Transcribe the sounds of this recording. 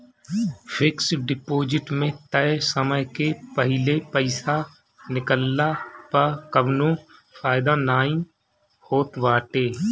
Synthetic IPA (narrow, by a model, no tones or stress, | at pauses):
pʰɪksɖɪpoːd͡ʒɪʈmẽt̪ɛsəməjkepəɦɪlepəɪsa | nɪkəlːapəkəbnõfʰaːɪd̪anaːĩ | hoːt̪ʋaːʈeː